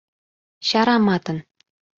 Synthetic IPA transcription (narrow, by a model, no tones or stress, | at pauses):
ɕɑɾɑmɑt̪ɤ̆n